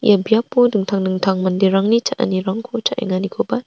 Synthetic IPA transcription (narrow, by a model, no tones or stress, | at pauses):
ḭjabiapːodɯŋt̪ʰaŋdɯŋt̪ʰaŋmandiɾaŋnit͡ʃaʔa̰niɾaŋkʰot͡ʃaʔḭŋanikʰoba